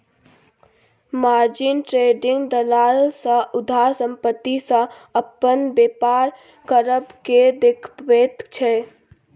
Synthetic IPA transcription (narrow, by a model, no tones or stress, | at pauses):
maːɾd͡ʒɪnʈɾeːɖɪŋɡd̪əlaːlsə̃ʊd̪ʱaːɾsə̃mpət̪ːisə̃ | əpənbeːpaːɾ | kəɾəbked̪ekʰbeːt̪t͡ʃʰɛ